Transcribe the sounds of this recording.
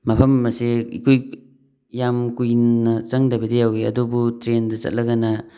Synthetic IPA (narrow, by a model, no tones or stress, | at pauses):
mɐpʰɐmːɐsiḭkʰuj | jamkujnɐt͡ʃɐŋdɐbedejawiɐ̰dubutɾendɐzɐ̰t̚lɐɡanɐ